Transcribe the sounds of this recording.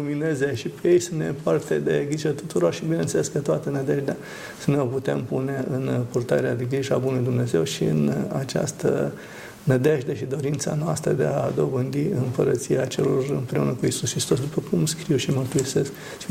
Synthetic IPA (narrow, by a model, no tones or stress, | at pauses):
uminezeʃipejejsənnepart̪ed̪eɡɾiʒet̪ut̪uɾo̞rʃibine̞nt̪seleskət̪oat̪ənəd̪eʒd̪ea | səneoput̪empune̞ɨnpurt̪aɾead̪eɡɾiʒabunluid̪umne̞ze̞wʃiɨ̰na̰t͡ʃa̰st̪ə̰ | nəd̪eʒd̪eʃid̪o̞ɾint̪sa̰noast̪ɾəd̪ead̪o̞bɨnd̪iɨmpəɾət̪sijat͡ʃe̞lo̞rɨmpɾe̞unəkuisuskɾist̪o̞s̬d̪upəkumskɾiwʃimərt̪uise̞sk | t͡ʃ